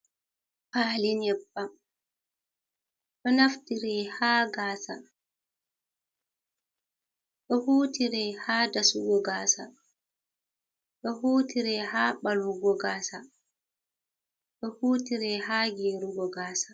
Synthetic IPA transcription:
paːlinɛbːa | ɗɔnaftiɾɛhaːɡaːsa | ɗɔhuːtiɾɛhaːdasuɡɔɡaːsa | ɗɔhuːtiɾɛhaːɓaluɡɔɡaːsa | ɗɔhuːtiɾɛhaːɡeɾuɡɔɡaːsḁ

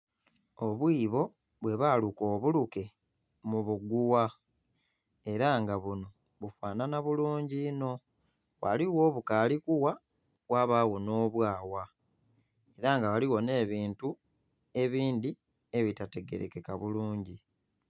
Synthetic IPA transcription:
o̞βwiːβo̞ | βwe̞βaːluko̞ːβuluke̞ | muβuɡuwa | e̞ɾaŋɡaβuno̞ | βufwaːnanaβuluːɲɟino̞ | wa̰liwo̞ːβukaːlikuwa | waβaːwo̞no̞ːβwaːwa | e̞ɾaŋɡawaliwo̞ne̞ːβiːntu | e̞βiːndi | e̞βitate̞ɡe̞̰ɾeke̞kaβuluːɲɟi

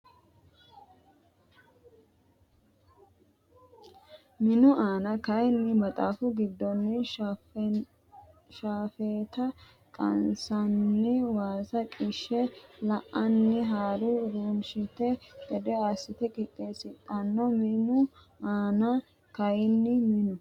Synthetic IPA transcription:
mɪnʊʔaːnɐkɐjnːɪmɐt̪ʼaːfʊɡɪd̪ːɔnːɪ | ʃaːfeːt̪ɐ | kʼɐ̰nsɐnːɪwaːsɐkʼɪʃːɛlɐʔɐnːɪɦaːɾuɾuːnʃɪt̪ɛd̪ɛd̪ɛaːsɪt̪ɛkʼɪt̪ʼːeːsɪt̪ʼːɐnːɔmɪnʊ | aːnɐ | kɐjɪnːɪmɪnʊ

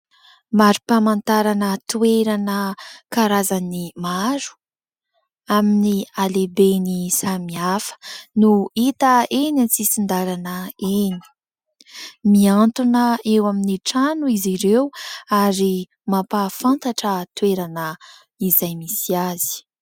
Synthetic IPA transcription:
maɾupamant̪aɾanət̪ueɾanəkaɾazanimaɾu̥ | aminialebenisamiafə̥nuit̪əenat͡sisind̪aɾanəeni̥ | miant̪unəewaminiʈ͡ʂanuiziɾewaɾi | mapafant̪aʈ͡ʂət̪ueɾanə | izajmisiaz̥i̥

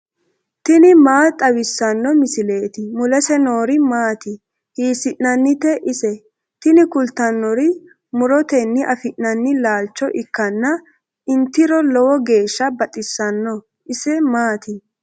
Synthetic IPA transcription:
t̪ɪnɪmaːt̪ʼɐwɪsːɐnːɔmɪsɪleːt̪ɪmʊlɛsɛnoːɾɪmaːt̪ɪ | hiːsɪʔnɐnːɪt̪ɛʔɪsɛ | t̪ɪnɪkʊlt̪ɐnːɔɾɪ | mʊɾɔt̪ɛnːɪʔɐfɪʔnɐnːɪlaːlt͡ʃːɔʔɪkːɐnːɐ | ɪnt̪ɪɾɔlɔwɔɡe̞ːʃːɐbɐt̪ʼɪsːɐnːɔ | ʔɪsɛmaːt̪ɪ

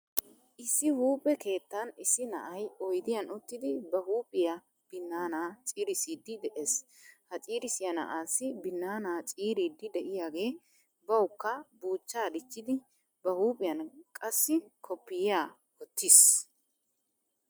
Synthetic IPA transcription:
ʔɪsːɪhuːpʼːɛke̞ːt̪ːɐnɪsɪnɐ̰ʔɐjɔjd̪ɪjɐnʊt̪ːɪd̪ɪbɐhuːpʼɪjɐ | b̥ɪnːaːnaːt͡sʼiːɾɪsiːd̪ːɪd̪ɛʔeːs | hɐt͡sʼiːɾɪsɪjɐnɐ̰ʔaːsːɪbɪnːaːnaːt͡sʼiːɾiːd̪ːɪd̪ɛʔɪjaːɡe̞ː | bɐwkːɐbuːt͡ʃːaːd̪ɪt͡ʃːɪd̪ɪ | bɐhuːpʼɪjɐnkʼɐsːɪkʰɔpːɪjjaː | ɔt̪ːis

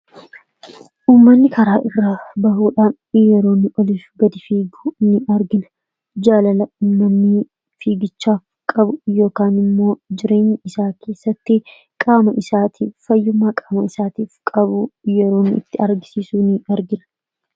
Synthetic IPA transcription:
ʔuːmːɐnːɪkʰɐɾaːʔɪrːɐbɐɦuːᶑaːn | jɛɾo̞ːnɪʔɔlifɡɐd̪ɪfiːɡunɪɐɾɡɪnʊ̥ | d͡ʒaːlɐlɐʊːmːɐnːiː | fiːɡɪt͡ʃːaː | kʼɐbʊjo̞ːkaːnɪmːo̞ːd͡ʒɪɾe̞ːɲːɐɪsaːkʰe̞ːsːɐt̪ːɪ | kʼaːmɐʔɪsaːt̪ʰiːffɐjːʊmːaːkʼaːmɐɪsaːt̪iːfkʼɐβʊjɛɾo̞ːnːɪɪt̪ːɪɐɾɡɪsiːsuːnɪɐɾɡɪnɐ̥

